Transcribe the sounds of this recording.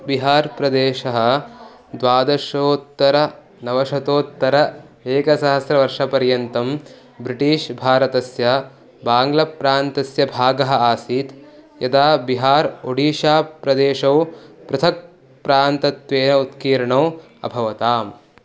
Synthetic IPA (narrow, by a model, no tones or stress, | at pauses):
biɦaːɾpɾɐd̪eːʃɐɦɐ̆ | d̪ʋaːd̪ɐʃoːt̪ːɐɾɐ | nɐʋɐʃɐt̪oːt̪ːɐɾɐeːkɐsɐɦɐsɾɐʋɐɾʂɐpɐɾjɐnt̪ɐm | bɾiʈiːʃbʱaːɾɐt̪ɐsjɐ | baːŋɡlɐpɾaːnt̪ɐsjɐbʱaːɡɐɦɐ̆aːsiːt̪jɐd̪aːbiɦaːɾoɽiːʃaːpɾɐd̪eːʃɐwpɾɐt̪ʰɐk̚ | pɾaːnt̪ɐt̪ʋeːnɐut̪kiːɾɐɳɐː | ɐ̰bʱɐʋɐt̪aːm